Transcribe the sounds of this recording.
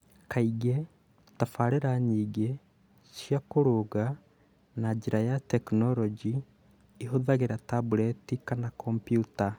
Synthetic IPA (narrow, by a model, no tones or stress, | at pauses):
kaiɡe | tafaɾeɾaɲiːɡe | ʃjakoɾoɣa | nad͡ʒeɾajatɛknɔɾɔd͡ʒi | iɦoðaɣeɾatabuɾɛtikanakʰɔmpjuta